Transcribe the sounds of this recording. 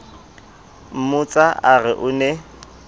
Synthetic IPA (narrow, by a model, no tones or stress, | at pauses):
m̩mʊt͡sʼaʔarɪʔʊnɛ